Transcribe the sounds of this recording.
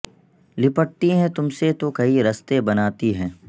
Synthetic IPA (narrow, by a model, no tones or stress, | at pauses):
lɪpəʈ̚t̪iɦɛ̃t̪ʊmset̪okɐiɾɐst̪ebɐnaːt̪iɦɛ̃ː